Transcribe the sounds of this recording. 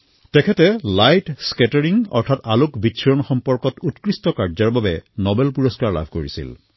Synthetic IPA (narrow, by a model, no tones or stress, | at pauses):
tɛkʰɛtɛlajtskɛtaɹiŋɔ̰ɹtʰatalʊkbisʰɔɹɔnxɔmpɔɹkɔtutkɹistɔkaɹzaɹbabɛnɔbɛlpuɹɔskaɹla̰bʱkoɹḭsḭl